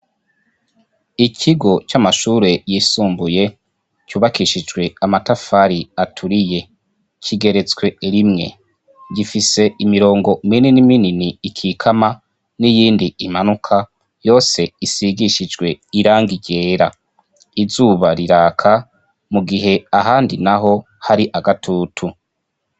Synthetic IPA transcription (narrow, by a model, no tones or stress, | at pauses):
ikʰiɡo̞t͡ʃamaʃuɾe̞jiːsuːmbuje̞ | cuːβakiʃid͡ʒɡwe̞amatafaɾiatʰuɾije̞ | kʰiɡe̞ɾe̞t͡swe̞ɾimŋe̞̰ | ɟifise̞imiɾo̞ːŋɡo̞mininimininiːkʰiːkʰama | nijiːndiimanukʰa | jo̞ːse̞isiɡiʃid͡ʒɡwe̞iɾaːŋɡiɟe̞ːɾa | izuːβaɾiɾaːkʰa | muɡiɦe̞aɦaːndinaɦo̞ | haɾiʔaɡatʰuːtʰu